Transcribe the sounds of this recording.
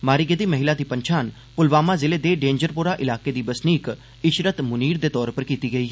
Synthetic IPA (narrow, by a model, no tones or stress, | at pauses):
maːɾiːɡed̪iːməɦɪlaːd̪iːpəɲt͡ʃʰaːn | pʊlʋaːmaːzɪleːd̪eːɖẽːɲd͡ʒəɾpuːɾaːʔɪlaːkeːd̪iːbəsniːk | ɪʃɾət̪mʊniːɾd̪eːt̪ɔːɾpəɾkiːt̪iːɡəiː